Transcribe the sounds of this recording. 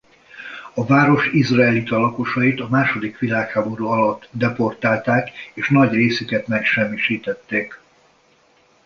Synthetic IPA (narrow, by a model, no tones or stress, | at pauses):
ɒvaːɾo̞ʃizraɛlit̪ɒlɒko̞ʃɒjit̪ɒmaːʃo̞d̪ikʋilaːkhaːbo̞ɾuɒlɒt̪ːd̪ɛpo̞rt̪aːlt̪aːkeːʃnɒɟreːsykɛt̪mɛkʃɛmːiʃiːt̪ɛt̪ːeːk